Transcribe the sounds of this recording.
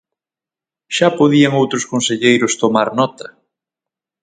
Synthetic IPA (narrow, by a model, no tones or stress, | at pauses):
ʃapoðiɐŋowt̪ɾʊskonseʎejɾʊst̪omaɾnɔt̪ɐ